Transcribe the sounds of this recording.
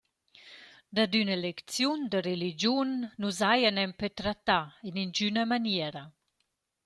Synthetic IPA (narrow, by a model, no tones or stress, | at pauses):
d̪ad̪ynəlekt͡sjund̪əɾelid͡ʒjunːuzajanɛmpɛt̪ɾat̪ːainind͡ʒynamanjɛɾa